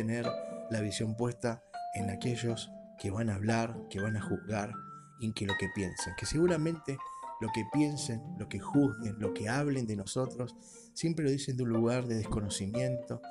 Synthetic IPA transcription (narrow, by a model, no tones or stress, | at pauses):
eneɾlaβ̞isjo̞mpwe̞st̪aenakeʒo̞ske̞βanaːβ̞laɾkeβanaxuɣɣaɾ | ikelo̞ke̞pje̞nseŋke̞se̞ɣuɾamẽnt̪elo̞kepje̞nsenlo̞ke̞xuhɣenlo̞keaβle̞nd̪e̞no̞so̞t̪ɾo̞sː | je̞mpɾelo̞ðise̞nd̪eunluɣaɾðe̞ðehko̞no̞simjẽ̞nt̪o̞